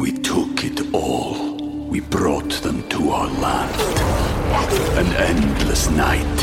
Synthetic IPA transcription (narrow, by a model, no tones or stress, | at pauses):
witʰʊkʰɪtʰɔlˠ | wibrɔːtʰðə̃mtʰəaəland | ə̃nɛndləsnajt